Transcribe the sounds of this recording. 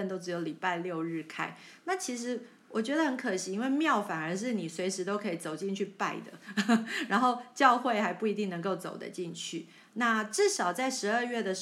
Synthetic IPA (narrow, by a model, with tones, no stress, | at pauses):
ə˥˩nt̪o˥ʊʈ͡ʂɻ̩˧˥jo˧˩ʊli˨˩pa˥˧ɪljo˥˧ʊɻɻ̩˥˩kʰa˥˩ɪna˥˩t͡ɕʰi˧˥ʂ̬ɻ̩˧˥ | wɔ˨˩t͡ɕɥɛ˧˥d̪ə˧xə˧˥nkʰə˨˩ɕi˧˥i˥nwe˥˧ɪmjɑ˥˩ʊfa˨˩nə˞˧˥ʂ̬ɻ̩˥˩ni˨˩swe˧˥ɪʂɻ̩˧˥t̪o˥ʊkʰɤ˧˥i˨˩t͡so˨˩ʊt͡ɕi˥˧nt͡ɕʰy˥˧pa˥˧ɪd̪ə̰˩ɻa˧˥nxo˥˧ʊt͡ɕjɑ˥˧ʊxwe˥˩ɪxa˧˥ɪpu˥˩i˧˥t̪i˥˩ŋnɤ˧˥ŋko˥˩ʊt͡so˨˩ʊd̪ə̰˦t͡ɕi˥˧nt͡ɕʰy˥˩ | na˥˧ʈ͡ʂɻ̩˥˩ʂɑ˨˩ʊt͡sa˥˩ɪʂɻ̩˧˥ə˞˥˧ɥɛ˥˩d̪ə˩˧